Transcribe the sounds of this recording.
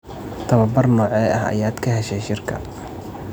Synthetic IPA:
t̪ʰɐβɐbɐrnɔːʕɛjɐɦɐ̰jaːd̪kʰɐɦɛʃɛjʃɪrkʰɐ̰

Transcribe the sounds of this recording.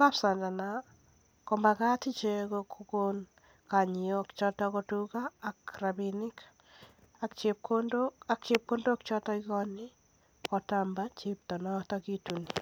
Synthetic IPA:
kapsandana | kombakatit͡ʃekokʰukon | kaɲiɔkt͡ʃɔtɔkɔtukaːkrabinɪk | akt͡ʃep̚kondoak̚t͡ʃep̚kondok̚t͡ʃɔtɔikɔni | kɔtambat͡ʃep̚tɔnɔtɔkituni

